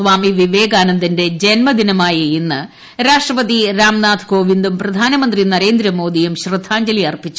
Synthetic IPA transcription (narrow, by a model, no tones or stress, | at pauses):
ʋaːmiʋiʋeːɡaːnɐnd̪inde̞d͡ʑenmɐd̪inɐmaːjɐinːɨ | ɾaːʂʈrɐpɐðiɾaːmnaːt̪ʰko̞ːʋind̪umprɐd̪ʱaːnɐmɐnd̪rinɐɾe̞ːnd̪ɾɐmo̞ːd̪ijɐmɕrɨd̪ʱːaːɲd͡ʑɐlijɐrpit͡ɕːu